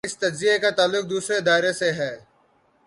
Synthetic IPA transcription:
ɪst̪ɐd͡ʒzɪjekat̪aːlːʊk̚d̪uːsɾeɪd̪aːɪɾeseɦɛː

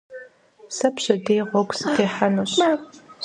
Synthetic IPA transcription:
sɐpɕɐdeːʁʷɔɡʷsɨtʰeːħanuːɕa

